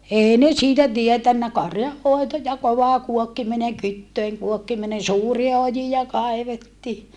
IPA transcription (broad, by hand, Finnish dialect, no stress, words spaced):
eˑi ne siːtæ tietænːæ kɑrjɑhːoˑeto jɑ koʋɑˑ kuokːimineŋ kytːøiŋ kuokːiminen suːriɑ ojijɑ kɑeʋetːiː